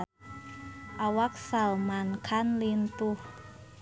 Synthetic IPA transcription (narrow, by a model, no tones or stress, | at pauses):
ʔawak̚salmankʰanlint̪uh